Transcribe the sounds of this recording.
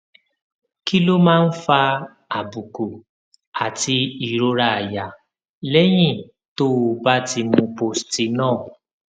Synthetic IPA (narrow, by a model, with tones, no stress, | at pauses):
ki˦lo˦mãː˦˧n̩˦fa˧ | a˨bu˨ko˨ | a˨ti˧i˨ɾo˧˦ɾa˧˨a˨ja˨ | lɛ˦j̃ĩ˦˨ | to˦o˧ba˦ti˧mũ˧po˨sti˧˦nãː˦˨